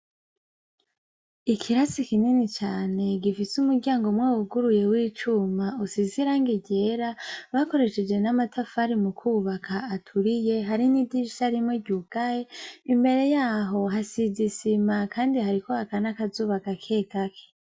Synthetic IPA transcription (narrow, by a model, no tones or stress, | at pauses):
ikʰiɾasikininit͡ʃaːne̞ɡifisumuɡɟaːŋɡomŋawuɡuɾuje̞wiːt͡ʃumausiziɾaŋɡiɟe̞ːɾaβako̞ɾe̞ʃe̞d͡ʒwe̞namatʰafaɾimukʰuːβakʰaːtʰuɾije̞ɦaɾinidiʃaɾimŋeɟuɡ̥ajeimbe̞ɾe̞jaːɦo̞ɦasizisimakʰaːndihaɾikohakanakazuːβakakʰe̞ːɡakʰe̥